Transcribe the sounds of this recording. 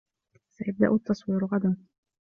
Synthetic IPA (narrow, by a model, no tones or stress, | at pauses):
sajab̚d̪a̰ʔʊt̪ːɑsˤwiːɾɣad̪an